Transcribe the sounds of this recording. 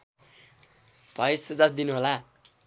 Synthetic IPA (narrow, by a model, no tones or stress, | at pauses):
bʱʌjsed̪ad̪inuɦola